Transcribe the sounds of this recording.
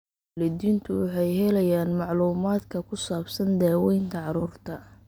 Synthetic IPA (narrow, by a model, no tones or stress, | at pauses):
lɛd̪iːnt̪ʰʊwɑħɑjɦɛlɐjaːnmɑʕluːmaːd̪kʰɐkʰʊsaːbsɐnd̪aːwɛjnt̪ʰɐʕɑɾuːrt̪ʰɐ